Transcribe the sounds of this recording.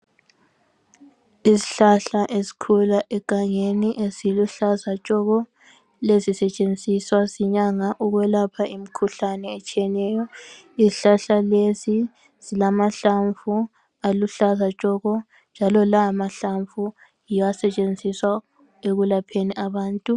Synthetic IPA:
izi̥ɬaɬaʔesi̥kʰulaʔɛkʼaŋeniʔesiluɬazat͡ʃʼɔɣɔ | lezisɛt͡ʃʼend͡zʱiswasiɲaŋaʔuɣwɛlapʰaʔimikʰuɬanɛːt͡ʃʼiɛnɛːjɔ | iziɬaɬalesi | z̥ilamaɬaɱfu | aluɬazat͡ʃʼɔɣɔ | nd͡ʒʱalɔlaːmaɬaɱvu | jiasɛt͡ʃʼend͡zʱiswa | eɣulapʰeniʔaβaːntʼu

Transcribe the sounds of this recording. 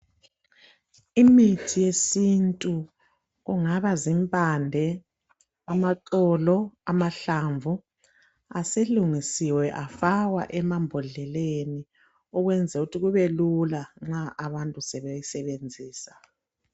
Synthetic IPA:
imitʰijesintʼu | ɣuŋaβazimpʼandʱɛ | amatʼɔːlɔamaɬaːɱvʱu | aseluŋisiwɛʔafaɣwa̰ʔɛmambʱɔɮɛleni | ɔɣwɛnd͡zʱɛutʰiɣuβɛlulaŋ͡ǁaʔaβantʼusɛβejisɛβend͡zʱiːsḁ

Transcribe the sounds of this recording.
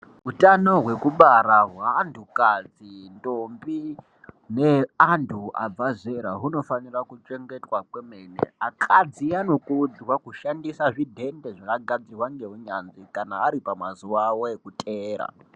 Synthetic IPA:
ɦutano̞ɦwe̞kuɓaɾaɦwaːntʰukad͡zintombi | neantʰua̰b͡vazeɾaɦuno̞fanirakut͡ʃe̞ŋɡe̞twakwemenḛakʰad͡ziano̞kuud͡zwakuʃandisaʐidʱe̞nde̞ʐakaɡʱad͡zirwaŋɡeɦuɲanzikanaːɾipamazuʋawoekutʼeːɾa̰

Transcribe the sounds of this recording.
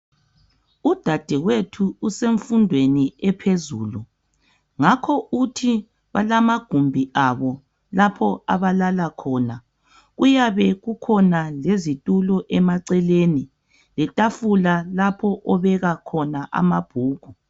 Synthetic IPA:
ud̥ʱad̥ʱɛɣwetʰuːseɱfundʱweniɛpʰezuːlu | ŋakʰɔutʰi | βalamaɡ̥ʱumbʱiʔaβɔ | lapʰɔa̰βalalakʰɔːna | ɣujaβɛɣukʰɔnalezitʼulɔʔɛmaǀɛleni | lɛtʼafulalapʰɔʔɔβɛɣakʰɔnaʔa̰mab̥ʱuːɣ̥ʱu

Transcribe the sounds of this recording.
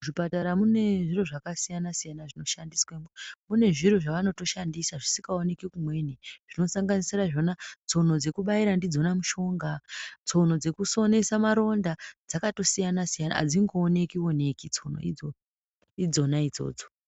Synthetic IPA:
ʐipataɾamune̞ʐiro̞ʐakasijanasijanaʐino̞ʃandiswemumune̞ʐiro̞ʐaʋano̞to̞ʃandisaʐisi̥ŋɡaone̞kikumwe̞niʐ̥ino̞saŋɡanisiraʐo̞nat͡so̞n̤o̞d͡ze̞kuɓaiɾandid͡zo̞namuʃo̞ːŋɡat͡so̞n̤o̞d͡ze̞kuso̞ne̞samaɾo̞ndad͡zakato̞sijanasijana̰d͡ziŋɡoːne̞kiwo̞ne̞kit͡so̞no̰ḭd͡zo | id͡zo̞naid͡zo̞̰ːd͡zo̥

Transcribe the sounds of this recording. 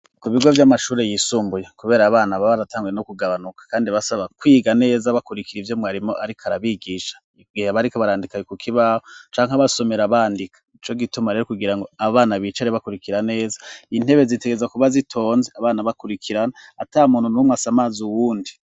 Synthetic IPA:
kuβiɡo̞vjamaʃuːɾe̞jisuːmbujakuβe̞ːɾaːβaːnaβaβaɾataːŋɡuje̞nokuɡaβanukḁkaːndiβasaβakwiːɡane̞ːzaβakuɾikiɾivjo̞mŋwaɾimo̞ʔaɾikʰaɾaβiɡiʃḁ | ɡiheaβaɾikoβaɾaːndikajekukʰiβahot͡ʃaːŋhaβaso̞me̞ɾaβaːndikʰḁit͡ʃo̞ɡitumaɾe̞ɾokuɡiɾaŋɡo̞aβaːnaβit͡ʃaɾiβakuɾikiɾane̞ːzḁin̥he̞βe̞zite̞ɡezakuβazitʰo̞ːnzeaβaːnaβakuɾikʰiɾanaːtaːmuːnhunumwasamaːzuwuːndi

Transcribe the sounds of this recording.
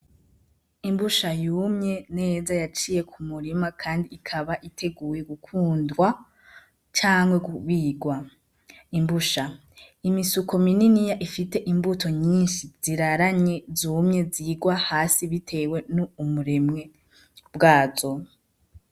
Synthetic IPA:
imbuʃajuːmɲe̞ne̞ːzajat͡ʃije̞kʰumuɾimakʰaːndiːkʰaβaʔitʰe̞ɡuːje̞ɡukʰuːndɡwa | t͡ʃaːŋwe̞ɡuβiɡwa | imbuʃa | imisukʰo̞mininijaʔifite̞ʔimbutʰo̞ɲiːnʃiz̥iɾaɾaɲe̞zuːmɲe̞ziːɡwahaːsiβitʰe̞we̞nuːmuɾe̞mŋe̞ | bɡaːzo̞

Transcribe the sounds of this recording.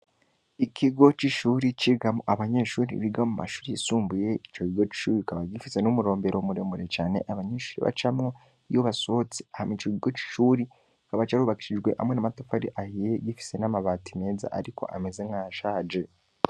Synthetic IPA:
ikʰiɡo̞t͡ʃiʃuːɾit͡ʃiɡamuʔaβaɲe̞ʃuːɾḭβiɡamuma̰ʃuːɾiisuːmbuje̞it͡ʃo̞kiɡo̞t͡ʃi̥ʃuːɾikaβaɟifise̞numuɾo̞ːmbe̞ɾomuɾe̞muɾe̞t͡ʃaːne̞̰ʔaβaɲeʃuːɾḭβa̰t͡ʃamŋo | joβaso̞ot͡si̥ahamit͡ʃokiɡo̞t͡ʃi̥ʃuːɾi | kaβat͡ʃaɾuːβaki̥ʃiʒɡwe̞ʔa̰mwe̞namatofaɾiʔahijeɡifi̥se̞namaβaːtime̞ːza̰ʔaɾiko̞̰ʔa̰mezeŋaːʃaːd͡ʒe̞

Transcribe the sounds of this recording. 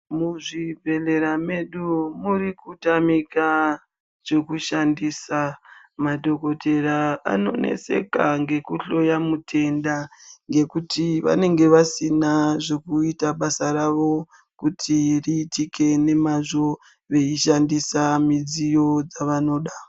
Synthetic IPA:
muʐivʱe̞le̞ɾame̞ɗumurikutamika | ʐ̥e̞kuʃandisa | maɗo̞ko̞tʰe̞ɾaa̰no̞̰nḛse̞̰kaŋɡe̞kuɬo̞jamutʰe̞ndaŋɡe̞kutʰiʋa̰ne̞ŋɡe̞ʋasinaʐe̞kuitaɓasaɾaʋo̞ | kutʰiriːtike̞ne̞maʐo̞ | ʋe̞iʃandisamid͡zijo̞d͡zaʋano̞ːɗa

